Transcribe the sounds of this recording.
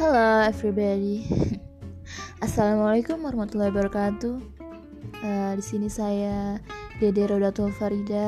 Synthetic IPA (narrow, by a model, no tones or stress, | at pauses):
hɛloɛvɾibadi | ʔasalamalajkumaɾamat̪ulːɔhbaɾakat̪u | ədisinisajadedeɾodat̪ɔlfaɾida